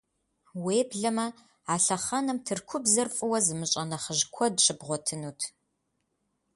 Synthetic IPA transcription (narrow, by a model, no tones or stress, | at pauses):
weːbɮɐmɐ | aːɬɐχɐnɐmtʰɨrkʷʰʊbzɐrfʼɨwɐzɨmɨɕʼɐnɐχəʒkʷʰɔdɕʼɪbʁʷɔtʰɨnuːtʰ